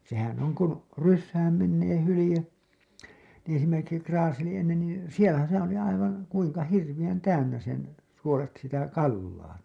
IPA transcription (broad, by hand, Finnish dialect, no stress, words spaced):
sehæn oŋ kun̞ rysːæːm menːeː hulĭje nĩː esimerkiksi krɑːseli enːen niː sielæ sehæ̃ː oli ɑiʋɑ̃ː kuiŋkɑ hirʋij̆æn tæynːæ sen suolet sitæ kɑlːɑː